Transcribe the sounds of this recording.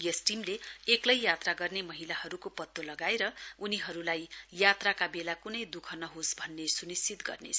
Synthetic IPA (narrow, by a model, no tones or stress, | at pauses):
jʌsʈimleeklʌjjat̪raɡʌrnemʌɦilahʌɾukopʌt̪ːolʌɡaeɾʌuniɦʌɾulajːat̪rakabelakunʌjd̪ukʰʌnʌɦosbʱʌnːesunist͡sit̪ɡʌ̰rnḛ